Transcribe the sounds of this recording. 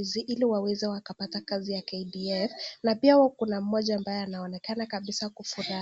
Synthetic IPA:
ziʔiliwawɛzɛwakapatakazijakediɛfnapiahuɔkunam̩mɔʄaːmbajɛanaɔnɛkanakaɓisakufuɾa

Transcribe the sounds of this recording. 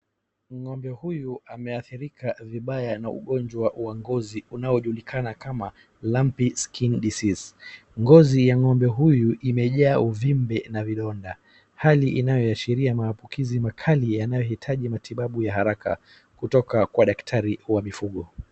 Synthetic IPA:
ŋɔmbɛhujuamɛaθiɾikʰaviɓajanaṵɠɔnd͡ʒwawaŋɡɔziunaɔʄulikʰanakama | lampiskʰinɗisisŋɡɔzijaŋɔmbɛɦujuʔimɛʄaːuvimbɛnaviɗɔnda | haliʔinajɔaʃiɾiamaːpukʰizimakʰalijanajɔhitʰaʄimatʰiɓaɓujaɦaɾakʰa̰ | kutɔkakwaɗaktʰaɾiwamifuɠɔ

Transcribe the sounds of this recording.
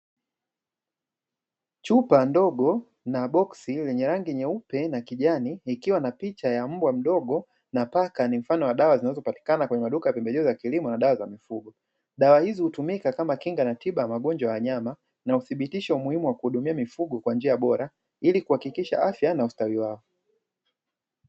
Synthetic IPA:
t͡ʃupandɔɠɔ | naɓɔksilɛɲɛɾaŋɡiɲɛupɛnakiʄaniːkiwanapit͡ʃajam̩bwam̩ɗɔɠɔ | napakanim̩fanɔwaɗawazinazɔpati̥kanakwɛɲɛmaɗukajapɛmbɛʄɛzjakilimɔnaɗawazamifuɡɔ | ɗawahizihutumikakamakiŋɡanatʰiɓajamaɠɔnd͡ʒwajawaɲama | nauθiɓitiʃaumuhimuwakuhuɗumiamifuɡɔkwand͡ʒiaɓɔɾa | ilikuhakikiʃa̰afjanaustawiwaɔ

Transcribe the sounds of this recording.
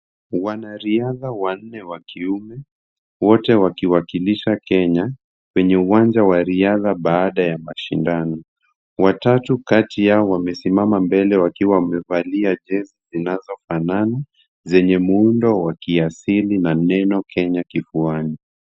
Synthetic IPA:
wanaɾiaðawan̩ːɛwakʰiumɛ | wɔtɛwakiwakiliʃakɛɲa | wɛɲɛuwand͡ʒawaɾiaðaɓaːɗajamaʃindanɔ | watatukatijaɔwamɛsimamambɛlɛwakiwamɛvaliaʄɛzizinazɔfanana | zɛɲɛmuundɔwakiasilinanɛnɔkʰɛɲakifuani

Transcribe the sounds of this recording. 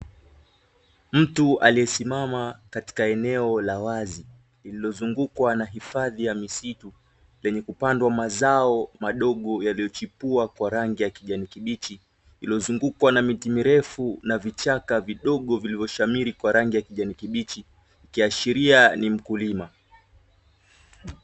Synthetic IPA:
m̩tuʔa̰lijɛsimamakati̥kaɛnɛɔlawazi | lililɔzuŋɡukwanaɦifaðijamisitu | lɛɲɛkupandwamazaɔmaɗɔɠɔjalijɔt͡ʃipuakwaɾaŋɡijakiʄanikiɓit͡ʃi | iliɔzuŋɡukwanamitimiɾɛfunavit͡ʃakaviɗɔɠɔvilivjɔʃamiɾikwaɾaŋɡijakiʄanikiɓit͡ʃi | kiaʃiɾianim̩kulima

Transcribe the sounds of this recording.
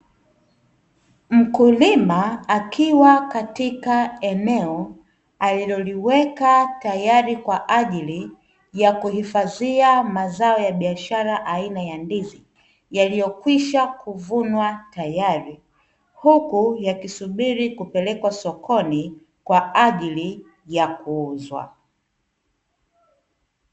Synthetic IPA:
m̩kulimaːkʰiwakatikaɛnɛɔ | alilɔliwɛkatajaɾikwaʔaʄili | jakuhifaðiamazaɔjaɓiaʃaɾaʔainajandizi | jalijɔkwiʃakuvunwatajaɾi | hukujakisuɓiɾikupɛlɛkwasɔkʰɔni | kwaaʄili | jakuuzwa̰

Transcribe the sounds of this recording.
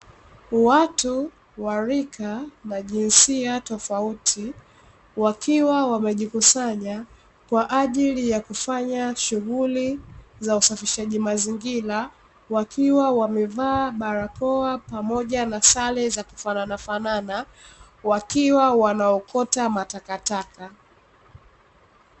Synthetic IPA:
watu | waɾikanaʄinsiatɔfautʰi | wakiwawamɛʄikusaɲa | kwaʔaʄilijakufaɲaʃuɣulizausafiʃaʄimaziŋɡila | wakiwawamɛvaːɓaɾakɔapamɔʄanasalɛzakufananafanana | wakiwawanaɔkʰɔtamatakataka

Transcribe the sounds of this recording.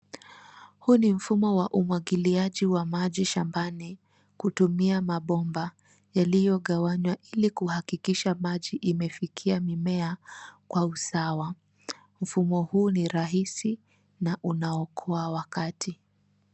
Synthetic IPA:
huːnim̩fumɔwaʔumwaɠiliaʄiwamaʄiʃambani | kutumiamaɓɔmba | jalijɔɠawaɲwaʔilikuhakikiʃamaʄiʔimɛfikʰiamimɛakwausawa | m̩fumɔhuːniɾaɦisi | naʔunaɔkʰɔawakatʰi

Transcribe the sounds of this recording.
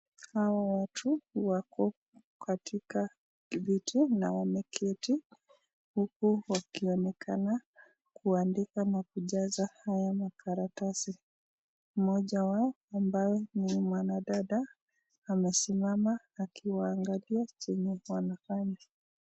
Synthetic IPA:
hawawatʰuwakʰɔ | kʰatʰika | kivitinawamɛkʰɛti | hukuwakiɔnɛkʰana | kuandikanak̚uʄazahajamakaɾatasi | m̩mɔʄawa | ambajɛnimwanaɗaɗaː | mɛsimamaːkiwaːŋɡaliat͡ʃɛɲɛwanafaɲa

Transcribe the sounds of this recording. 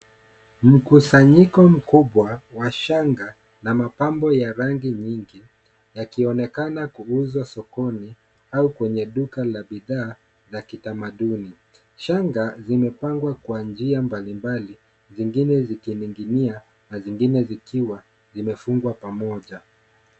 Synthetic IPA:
m̩kusaɲikɔm̩kuɓwawaʃaŋɡa | namapambɔjaɾaŋɡiɲiŋɡi | jakiɔnɛkanakuuzwasɔkɔni | aukwɛɲɛɗukalaɓiðaː | zakitamaɗuni | ʃaŋɡazimɛpaŋɡwakwand͡ʒiambalimbali | ziŋɡinɛzikiniŋɡinia | naziŋɡinɛzikʰiwa | zimɛfuŋɡwapamɔʄa

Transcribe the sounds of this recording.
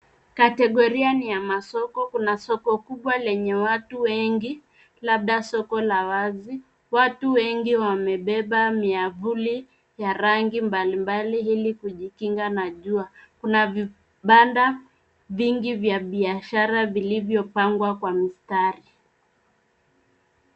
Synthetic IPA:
katɛɠɔɾianijamasɔkɔkunasɔkɔkuɓwalɛɲɛwatuwɛŋɡi | laɓ̚ɗasɔkɔlawazi | watuwɛŋɡiwamɛɓɛɓamiavuli | jaɾaŋɡimbalimbalihilikuʄikiŋɡanaʄuakunavi | ɓanda | viŋɡivjaɓiaʃaɾavilivjɔpaŋɡwakwamistaɾi

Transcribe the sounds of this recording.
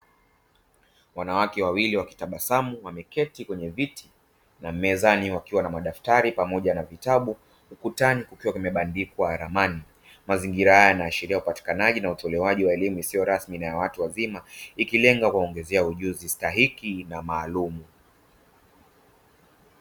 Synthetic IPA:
wanawakɛwawiliwaki̥taɓasamuwamɛkɛtikwɛɲɛvitʰi̥ | nam̩mɛzaniwakiwanamaɗaftaɾipamɔʄanavitaɓu | ukutanikukiwakimɛɓandikwaaɾamani | maziŋɡiɾahajajanaːʃiɾiaupati̥kanaʄinautɔlɛwaʄiwaɛlimuisijɔɾasminajawatuwazimaikilɛŋɡakwaɔŋɡɛzɛauʄuzistaɦikinamaːlumu

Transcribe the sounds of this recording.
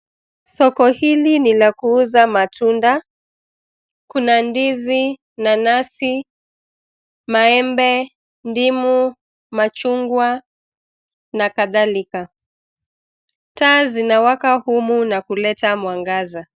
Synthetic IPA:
sɔkɔhilinilakuuzamatʰunda | kunandizi | nanasi | maɛmbɛ | ndimu | mat͡ʃuŋɡwa | nakaðalika | tazinawakahumunakulɛtamwaŋɡaza

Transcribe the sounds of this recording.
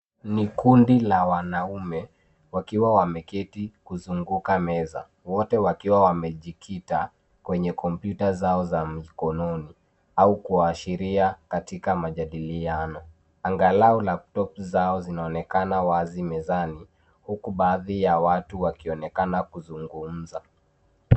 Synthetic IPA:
nikundilawanaumɛ | wakiwawamɛkɛtikuzuŋɡukamɛza̰ | wɔtɛwakiwawamɛʄikʰita | kwɛɲɛkɔmpjutazaɔzamikɔnɔni | aukuwaːʃiɾiakatikamaʄaɗilianɔ | aŋɡalaɔlap̚tɔpzaɔzinaɔnɛkanawazimɛzani | hukuɓaːðijawatuwakiɔnɛkanakuzuŋɡum̩za

